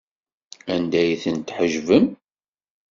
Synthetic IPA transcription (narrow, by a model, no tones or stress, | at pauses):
ænd̪æjθənt̪ħəʒvəm